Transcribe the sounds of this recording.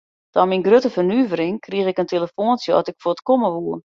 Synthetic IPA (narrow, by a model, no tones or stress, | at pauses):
d̥ɔminɡrøtəfərnyvəɾɪŋkʰriəxɪkəntʰeləfoːnsjəɔ̰tɪkfoətkoməʋuərn